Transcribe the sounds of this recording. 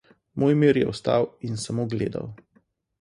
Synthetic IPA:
mʔoːjmiːɾjɛ̰ɔst̪a̰winsamoɡleːd̪a̰w

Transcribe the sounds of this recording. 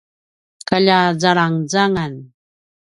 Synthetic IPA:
kaʎazaɾaŋzaŋan

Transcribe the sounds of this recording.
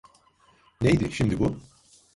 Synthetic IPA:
nejd̪ɪʃimd̪ibʊ

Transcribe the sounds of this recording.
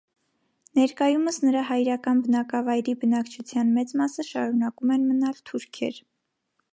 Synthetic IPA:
nɛɾkɑjuməsnəɾɑhɑjɾɑkɑnbənɑkɑvɑjɾibənɑkt͡ʃʰut͡sʰjɑnmɛt͡smɑsəʃɑɾunɑkumɛnmənɑlt̪ʰuɾkʰɛ̰ɾ

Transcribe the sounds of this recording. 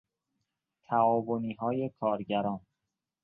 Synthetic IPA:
t̪ʰæɒːvoniːɦɒːje̞kʰɒːɾɟæɾɒːn

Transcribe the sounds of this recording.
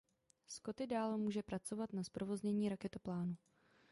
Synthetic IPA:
sko̞t̪ɪdaːlmuːʒɛpɾat͡so̞vat̪naspɾo̞vo̞zɲɛɲiːɾakɛt̪oplaːnu

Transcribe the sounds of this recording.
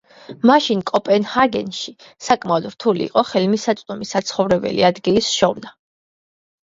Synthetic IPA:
maʃinkʼɔpʼɛnhaɡɛ̰nʃi | sakʼmaɔd̪ɾt̪ʰulḭːqʼɔχɛlmisat̪sʼd̪umisat̪sʰχɔvɾɛbɛ̰lḭad̪ɡilisʃɔvna

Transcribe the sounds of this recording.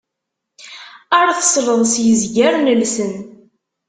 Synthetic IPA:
əɾθə̥sɾəðˤsjəzɡæɾnəlsən

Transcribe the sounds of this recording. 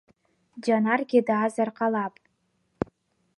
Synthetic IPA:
d͡ʒanarɡʲɪdaːzarqʼalapʼ

